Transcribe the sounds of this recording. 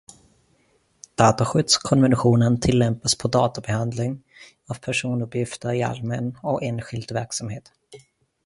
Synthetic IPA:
d̪̥ɑːt̪aɧʏd̪skʰɔnvɛnaɧuːnənt̪ʰɪlːɛmpaspʰɔd̪ɑːt̪abɛhand̪lɪŋ | avpʰæʂuːnɵpjɪft̪əɾɪa̰lmɛnɔkeːnɧɪld̪væɾksamheːt̪

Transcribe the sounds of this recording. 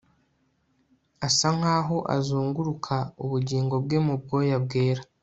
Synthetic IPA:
asaŋ̥aːɦo̞ʔa̰zuːŋɡuɾukʰauβuɟiːŋɡo̞b̚ɡe̞mub̚ɡo̞ːjab̚ɡeːɾa

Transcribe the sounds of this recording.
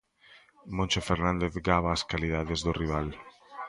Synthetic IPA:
mõnt͡ʃefeɾnãnd̪eθɡaβaːskalið̞aðezðʊriβ̞al

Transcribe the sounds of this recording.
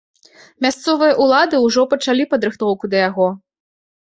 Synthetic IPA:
mʲast̪sɔvɨjɐʔulˠad̪ɨuʐɔpɐt͡ʂalʲipɐd̪ɾɨxt̪ɔwkud̪ɐjaɣɔ

